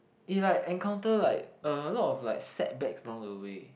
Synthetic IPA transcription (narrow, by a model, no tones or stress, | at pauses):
ilaɪkɛ̃ŋkʰãʊ̃ntəlaɪk̚əlɔtɔflaɪk̚sɛt̚bɛksəlɔ̃ŋdəwe